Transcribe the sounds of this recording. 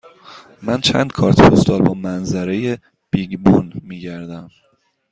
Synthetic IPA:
mænt͡ʃʰæ̰nd̪̥̚kʰɒːɾt̪ʰpʰost̪ɒːɾbɒːmænzæɾe̞je | b̥iɡbunmiːɟæɾd̪æm

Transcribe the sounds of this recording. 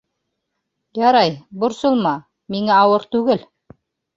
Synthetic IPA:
jɑɾɑjbŏɾsɤ̆lˠmɑ | miŋæɑwɤɾt̪ʉɡɘl

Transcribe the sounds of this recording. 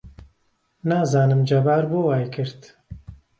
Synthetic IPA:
naːzaːnɨmd͡ʒɐbaːɾbowaːjkʰɨɾt̪

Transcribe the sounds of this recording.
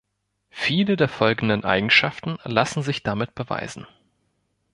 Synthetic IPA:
fiːlədeːɐfɔlɡn̩dənʔa̰ɪɡŋ̩ʃaftn̩lasn̩zɪçd̥amɪt̚b̥əva̰ɪzn̩

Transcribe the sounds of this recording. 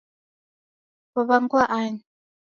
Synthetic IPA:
βɔβaŋkwaʔaɲ

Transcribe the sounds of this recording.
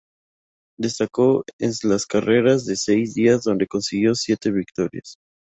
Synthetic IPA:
d̪e̞st̪ako̞enlaskare̞ɾazðe̞se̞jzðiazðo̞nd̪e̞ko̞nsiɣjo̞sje̞t̪e̞βikt̪o̞ɾja̰s

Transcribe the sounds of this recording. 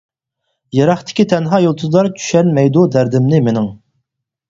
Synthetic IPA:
jɑɾɑχt̪ʰɪ̥kʲit̪ʰɛnɦɑːjolˠt̪ʰuzɑɾt͡ʃʰy̥ʃɛnmɛjd̪ud̪æɾd̪ɪmnɪmɪnɪŋ

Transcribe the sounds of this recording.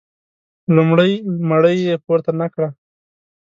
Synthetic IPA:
lʊmɽəjmaɽəjːepoɾt̪anakɽa

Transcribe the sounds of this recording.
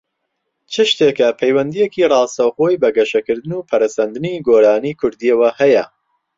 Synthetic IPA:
t͡ʃʰɨʃt̪ekɐpʰɐjwɐnd̪ijekirɑːst̪ɐwχoːjbɐɡɐʃɐkɨɾd̪ɨnuːpʰɐɾɐsɐnd̪ɨniɡoːɾaːnikʰʊɾd̪iɐwɐhɐjɐ

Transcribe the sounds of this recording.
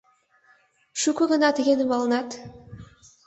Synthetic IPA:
ʃukuʁɯnɑt̪ʰeɡʲenɪmɑlˠɯnɑt̪

